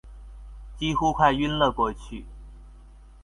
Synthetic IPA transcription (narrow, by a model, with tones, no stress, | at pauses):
t͡ɕi˥xu˥kʰwa˥˧ɪy˥nlɤ˥˧kwɔ˥˧t͡ɕʰy˥˩